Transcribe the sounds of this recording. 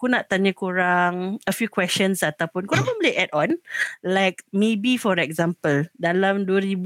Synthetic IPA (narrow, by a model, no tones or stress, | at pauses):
kunaʔt̪aɲə̃kuɾaŋəfjukwɛst͡ʃənsat̪awpʊnkuɾãŋməbəlʔɛtɔ̃nlajk̚mebifɔɾɛk̚zãmpəldalamduəɾibu